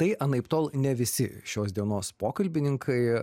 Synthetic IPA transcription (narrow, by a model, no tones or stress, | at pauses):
t̪ɐɪɐnɐɪpt̪oːlˠnʲɛʋʲɪsʲɪʃʲoːsd̪ʲiɛnoːspoːkɐlʲbʲɪnʲɪŋkʰɐɪ